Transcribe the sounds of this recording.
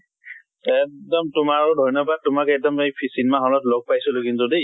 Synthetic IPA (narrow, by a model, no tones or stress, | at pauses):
ɛdɔmtʊmaɹʊdʱɔjnɔbad̚tʊmakɛk̚dɔmejpʰisinmaɦɔlɔtlɔɡ̚pajsɔlʊkintodi